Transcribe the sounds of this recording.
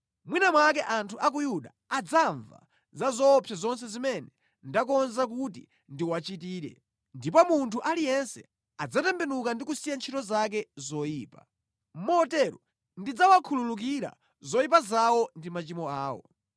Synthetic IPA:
mwinamwakɛʔantʰuʔak̬ujuɗaːd͡zaɱva̰ | zazɔːpʰjazɔns̬ɛzimɛnɛ | ndakɔnzak̬utḭ | ndiwat͡ʃitiːɾɛ̰ | ndipɔmuntʰuʔalijɛnsɛ̰ | ad͡zatɛmbɛnukandikusijant͡ʃʰitɔzakɛzɔjiːpa̰ | mɔtɛɾɔ | ndid͡zawakʰululuk̬iɾa̰ | zɔip̬azawɔndimat͡ʃimɔaːwɔ̰

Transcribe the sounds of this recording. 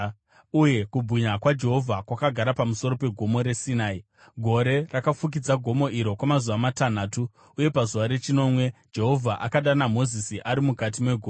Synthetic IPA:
uje̞kubʱiɲakwad͡ʒe̞ɦo̞vʱakwakaɡʱaɾapamuso̞ɾo̞pe̞ɡʱo̞mo̞ɾe̞sinaːi | ɡʱo̞ɾe̞rakafuk̬id͡zaɡʱo̞mo̞ʔiɾo̞kwamazuʋamatan̤aːtu | uje̞pazuʋaɾe̞t͡ʃino̞mwe̞d͡ʒe̞ɦo̞vʱaʔakaɗanamo̞zisiʔaɾimukat̬imwe̞ɡʱoː

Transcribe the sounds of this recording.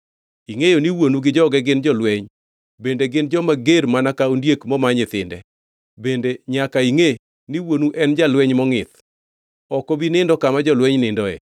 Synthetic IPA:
iŋejoniwonuɡɪd͡ʒɔɡɛɡɪnd͡ʒɔlwɛɲ | bendeɡɪnd͡ʒɔmaɡeɾmanakaondjekmɔmaɲɪt̪ɪndɛ̰ | bendeɲakaiŋe | niwonuʔɛnd͡ʒalwɛɲmɔŋɪt̪ | ɔkɔbinɪndɔkamad͡ʒɔlwɛɲnɪndɔɛ̰

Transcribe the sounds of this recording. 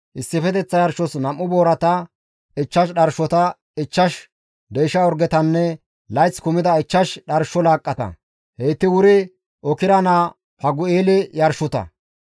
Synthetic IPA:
ʔɪsːɪfɛt̪ɛt͡sːɐjɐɾʃɔsnɐmːʊboːɾɐt̪ɐ | ɪt͡ʃːɐʃ̬ɗɐɾʃɔt̪ɐ | ɪt͡ʃːɐʃ | d̪ɛjʃɐɔɾɡɛt̪ɐnːɛ | lɐjt͡skʊmɪd̪ɐɪt͡ʃːɐʃɗɐɾʃɔlaːkʼːɐt̪ɐ̰ | hejt̪ːɪwʊɾɪ | ʔɔkɪɾɐnaː | pɐɡʊeːlɪjɐɾʃɔt̪ɐ̰

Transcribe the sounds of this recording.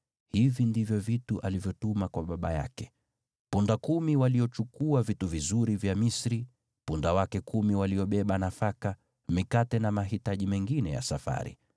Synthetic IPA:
hivindivjɔvituʔalivjɔtumakwaɓaɓaja̰kɛ̥ | pundakumiwaliɔt͡ʃukuavituvizuɾivjamisɾi | pundawakɛkumiwaliɔɓɛɓanafaka | mikatɛnamaɦitaʄimɛŋɡinɛja̰safa̰ɾḭ

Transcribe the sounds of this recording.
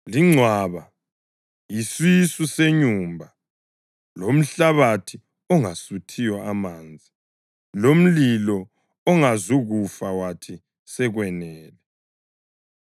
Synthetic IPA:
liŋ͡ǀʱwaːβa | jiswisuseɲuːmbʱa | lom̩ɬaβatʰi | ɔŋasutʰijɔamaːnd͡zʱi | lom̩lilɔ | ɔŋazuɣufawatʰi | sɛɣwɛnɛːlɛ

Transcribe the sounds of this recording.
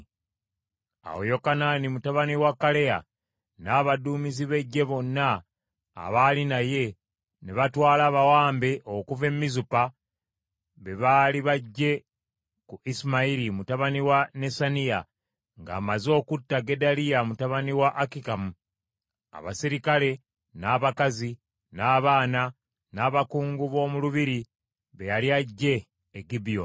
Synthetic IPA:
a̰wo̰jo̞kananimutaβaniwakːale̞a̰ | naːβaduːmiziβe̞ɟːe̞βo̞nːa̰ː | βalinaje̞ | neβatwaːlaːβawaːmbe̞ʔokuve̞mːizupa | βe̞βaːliβaɟːe̞ | kuʔismaiɾimutaβaniwane̞sanija | ŋɡa̰ːmazo̞ːkutːaɡe̞dalijamutaβaniwaʔakikamu | a̰βa̰siɾikale̞ | naːβakazi | naːβaːna | naːβakuːŋɡuβo̞ːmuluβiɾi | βe̞jaliaɟːe̞ː | ɡibijo

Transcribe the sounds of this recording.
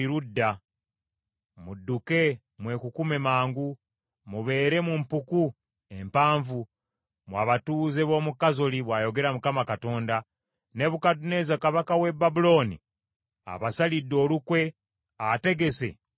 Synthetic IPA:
iɾudːa | mudːuke̞ | mwe̞kukume̞maːŋɡu | muβe̞ːɾe̞mumpuku | e̞mpaːɱvu | mwaβatuːze̞βo̞ːmukazoliβwaːjo̞ɡe̞ɾamukamakato̞ːnda | ne̞βukatune̞zakaβakawe̞bːabulo̞ːnḭ | a̰βasalidːo̞ːlukwe̞ | ate̞ɡe̞se̞̰

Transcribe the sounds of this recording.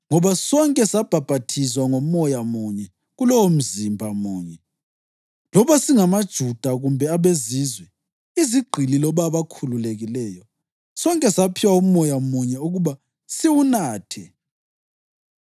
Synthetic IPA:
ŋɔβasɔŋkʼɛsab̥ʱab̥ʱatʰiswaŋomɔjamuɲɛ | ɣulɔwom̩zimbʱamuːɲɛ | lɔβasiŋamad̥ʒ̥ʱud̥ʱaɣumbʱɛaβeziːzwɛ | iziɡ͡ǃʱililɔβaβakʰululeɣilɛːjɔ | sɔŋkʼɛsapʰiwaumɔjamuɲɛuɣuβa | siwunaːtʰɛ

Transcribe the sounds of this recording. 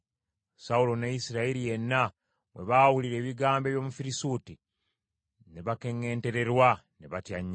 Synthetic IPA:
saulo̞nejisiɾaeɾije̞nːa | mwe̞̰βawuliɾe̞ːβiɡaːmbeːβjomufiɾisuːti | neβake̞ŋːe̞ːnte̞ɾe̞ɾwaneβatjaɲː

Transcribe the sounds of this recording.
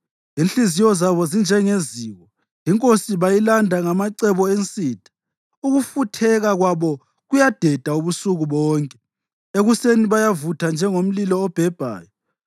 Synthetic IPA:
inɬizijɔzaβɔzind͡ʒʱɛŋeziːɣɔ | jiŋkʼosiβajilandʱaŋamaǀɛβɔent͡sʼiːd̥ʱʼḁ | uɣufutʰɛɣaɣwaβɔ | ɣujad̥ʱɛd̥ʱauβusuɣuβɔːŋkʼɛ | eɣuseniβajavutʰand͡ʒʱɛŋom̩lilɔːb̥ʱɛb̥ʱa̰ːjɔ

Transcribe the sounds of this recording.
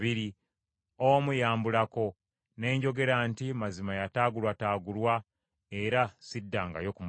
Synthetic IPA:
βiɾi | omujaːmbulako̞ | ne̞ːɲɟo̞ɡe̞ɾantimazimajataːɡulwataːɡulwa | eɾasidːaŋɡa̰jo̞kum

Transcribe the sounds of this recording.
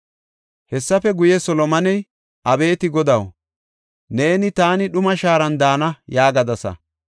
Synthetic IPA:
hɛsːɐfɛɡʊjɛsɔlɔmɐnɛj | ʔɐbe̞ːt̪ɪɡɔd̪ɐw | ne̞ːnɪt̪aːnɪɗʊmɐʃaːɾɐnd̪aːnɐjaːɡɐd̪ɐsɐ̰

